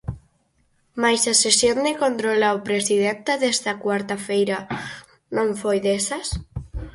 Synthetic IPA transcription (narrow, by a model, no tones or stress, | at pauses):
majsasesjond̪ɪkont̪ɾolaopɾesið̞ent̪aðest̪ɐkwaɾt̪afejɾɐ | nõɱfojðesɐs